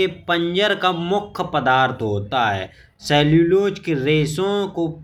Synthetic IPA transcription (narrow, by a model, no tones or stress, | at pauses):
epə̃ɲd͡ʒəɾkamʊkʰːpəd̪aːɾt̪ʰɦoːt̪aɦɛ̰ː | sɛːljuːloːd͡ʒkeɾeːsõko